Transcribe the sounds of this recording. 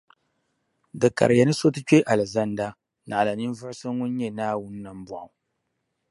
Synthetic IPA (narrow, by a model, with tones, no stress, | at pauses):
dɨ˨ka̰˨ɾɨ˨ja˨˦nɨ˦so˦tɨ˦t͡ʃe˦ʔa˨lɨ˨za˦n˦da˦ | na˨ʔa˨la˨nɨ˦n˦vɨ˦ɾsɨ˦ŋʊ˦n˦ɲɛ˦naː˦wʊ˦n˦na˨m˦bʊ˨ʔa̰˨